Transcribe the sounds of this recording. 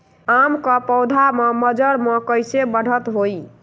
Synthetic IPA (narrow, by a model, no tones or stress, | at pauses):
amkəpəwd̪ʱameməd͡ʒəɾmekəjsebəɽ̤ət̪ɦoj